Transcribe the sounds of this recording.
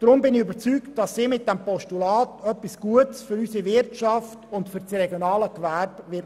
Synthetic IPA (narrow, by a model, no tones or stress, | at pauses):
d̥ɾʊmbɪnɪybət͡syːktd̥ɑsːiːmɪt̚d̥ɛmpɔʃtulɑːtœpːisɡ̥uətsfʏɾysiʋɪɾtʃɑftʊntfʏɾt͡srɛɡjonɑːləkʋæɾbʋɪ